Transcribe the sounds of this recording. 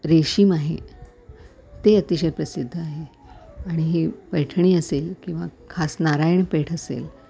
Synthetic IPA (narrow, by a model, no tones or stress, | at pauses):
ɾeɕiːmaɦḛ | t̪eət̪iɕəjpɾəsid̪ʱːəaɦe | aɽ̃iɦepəjʈʰəɳiːəselkĩw̃ʋakʰasnaɾajɳpeʈʰəsḛl